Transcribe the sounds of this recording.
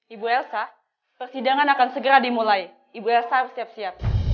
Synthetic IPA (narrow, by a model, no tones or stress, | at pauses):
ibuɛlsa | pərsidaŋanakansəɡəɾadimulaj | ibuɛlsarəsiap̚siat̚